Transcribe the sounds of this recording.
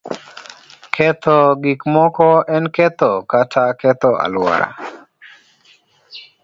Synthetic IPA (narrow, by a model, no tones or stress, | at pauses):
kʰet̪ʰɔɡikmɔkɔenket̪ɔkataket̪ɔʔa̰lwa̰ɾa̰